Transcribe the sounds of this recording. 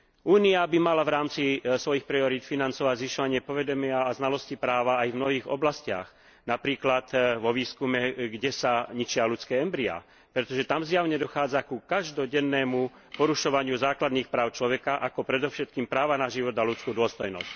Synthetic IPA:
ʔuːniabimalavɾaːmt͡sisʋɔjixpɾiɔɾiːt̪finant͡sɔʋaɟzʋiʃɔʋaɲɪɛpɔʋɛd̪ɔmɪaːznalɔscipɾaːʋaːjvmnɔɦiːɣɔ̰blascɪa̰x | napɾiːklat̪ʋɔʋiːskumɛɡɟɛsaɲit͡ʃɪalut͡skɛːɛmbɾia̰ː | pɾɛt̪ɔʒɛt̪amzjaʊɲɛd̪ɔxaːd͡zakukaʒd̪ɔɟɛnːɛːmu | pɔɾuʃɔʋaɲɪuzaːklad̪niːxpɾaːʊt͡ʃlɔʋɛkaʔakɔpɾɛd̪ɔfʃɛt̪̚kiːmpɾaːʋanaʒiʋɔd̪alut͡skuːd̪ʊɔst̪ɔjnɔ̰sc

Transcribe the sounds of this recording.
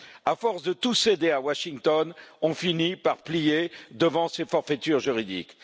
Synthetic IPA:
afɔʁsd̪ət̪used̪eawaʃiŋt̪ɔnɔ̃finipaʁplijed̪əvɑ̃sefɔʁfət̪yʁʒyʁid̪ḭk

